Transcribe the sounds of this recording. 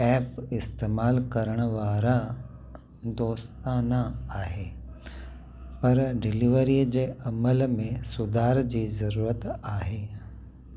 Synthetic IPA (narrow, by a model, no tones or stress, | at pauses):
ɛːpɪst̪eːmaːlkɐɾəɽ̃əʋaːɾã | d̪oːst̪ãnɐaːɦeː | pɐɾɖɪliʋəɾid͡ʑeːɐməlmẽsʊd̪ʱaːɾd͡ʑiːzɐɾuːɾət̪aːɦeː